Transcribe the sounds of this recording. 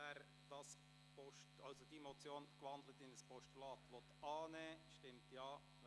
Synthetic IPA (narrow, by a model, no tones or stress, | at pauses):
ɛːɾ | d̥ɑs | pɔʃtɑlsod̥imot͡sjoːnkʋɑndlətɪndəspʰɔʃtulɑːt̪ʋɔt̪ɑːnɛːʃtɪmtjɑː